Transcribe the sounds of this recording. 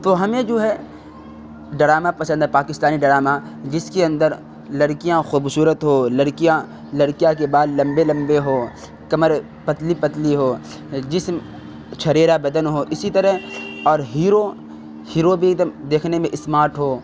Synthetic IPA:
t̪oɦɐmẽd͡ʒoːɦɛ | ɖɐɾaːmapɐsə̃nd̪ɦɛpaːkɪst̪aːniɖɐɾaːma | d͡ʒɪskeɐ̃nd̪əɾ | lɐɾkijãxuːbsuːɾət̪ɦoːlɐɾkijã | lɐɾkijak̬ebaːd̪lɐ̃mbelɐ̃mbeɦoː | kɐməɾ | pɐt̪lipɐt̪liɦoː | d͡ʒɪsm | t͡ʃʰɐɾeːɾabɐd̪ənɦoʔɪsit̪əɾəɦɔːɾɦiːɾo | hiːɾobʱid̪md̪eːkʰnemẽʔɪsmaːɾʈɦoː

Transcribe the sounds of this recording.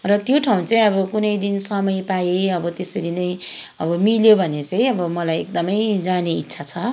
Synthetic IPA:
rʌt̪joʈʰaw̃t͡saĩʌbʌkunʌjd̪insʌmʌjpajeʌbʌt̪esʌɾinʌjʌbʌmiljobʱʌnet͡saĩʌbʌmʌlajek̚d̪ʌmʌjd͡zaneit̪ːsʰat͡sʰʌ

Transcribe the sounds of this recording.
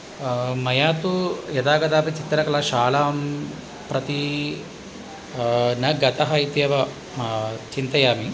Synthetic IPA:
mɐjaːt̪ujɐd̪aːɡɐd̪aːpɐt͡ʃit̪ɾɐkɐlaːʃaːlaːm | pɾɐt̪i | nɐɡɐt̪ɐɦɐit̪jɐʋɐ | t͡ʃint̪ɐjaːmi

